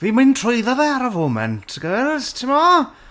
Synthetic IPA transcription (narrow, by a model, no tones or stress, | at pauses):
viːmɨntʰroɨðɔðɛaɾavoːmɛ̰ntʰɡəlz̥tʰɪmɔ